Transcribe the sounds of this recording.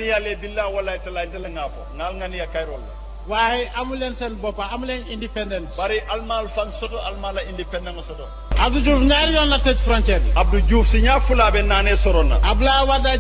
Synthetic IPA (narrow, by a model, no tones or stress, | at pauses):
nijalebilːawalatɛlaitɛlɛŋaːfɔ̰ŋalŋanijakajɾɔlːa̰ | wahɛʔamulɛnsɛnbɔpaːmulɛɲindipɛndɛntbaɾiʔalmalfãnsɔtɔalmalaĩndipɛndɛŋsɔtɔ | abdud͡ʒuːfɲaɾijɔnlatetfɾɔ̃nt͡ʃɛɾab̚dud͡ʒuːfsiɲaːfulabɛnaːnɛsɔɾɔna̰abulawada